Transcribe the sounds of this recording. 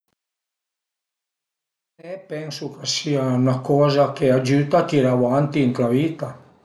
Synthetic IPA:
epɛnsukasiaunakɔzakead͡ʒyt̪ak̪iɾawant̪iŋkɾaβit̪a

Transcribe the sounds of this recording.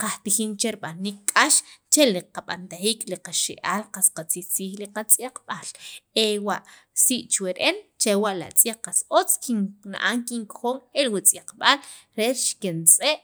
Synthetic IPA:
qaht̪ixint͡ʃeɾɓaniːkkʼaʃt͡ʃeliqaɓa̰nt̪aχiːkliqaʃeʔaːlqasqat͡sixt͡siːxliqat͡sʼjaq͡χɓaːlewaʔ | siʔt͡ʃweɾʔent͡ʃewaʔla̰ʔt͡sʼjaqːasot͡skiŋna̰ʔaŋkiŋkχoːŋelwit͡sʼjaqɓalɾeɾʃkent͡sʼeʔ

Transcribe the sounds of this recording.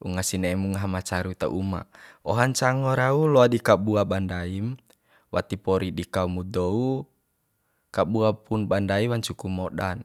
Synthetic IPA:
uŋasinaɛmuŋaɦamat͡ʃaɾut̪a̰ʔṵma̰ɔɦaɲt͡ʃaŋɔɾaulɔadikabuabandaim | wat̪ipɔɾiɗikaumudɔu | kabuapunbandaiwaɲt͡ʃukumɔɗan

